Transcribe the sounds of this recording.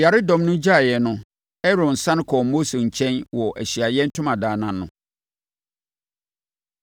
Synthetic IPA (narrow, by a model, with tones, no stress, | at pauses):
ja˨ɾɪ˦dɔ̃˨mnʊ̃˦d͡ʑa˦˨jɛ˨nʊ̃˦ | ɛ˦ɾõ˨n̩˨sã˦n˦kʰɔ˨mo˦se˨ɲ̩˨t͡ɕʰɛ̃˦nwɔ˨ʔæ˨ɕi˨a˨jɛ˦n̩˦tʰʊ̃˦mã˨daː˨nã˨nːʊ̰̃˨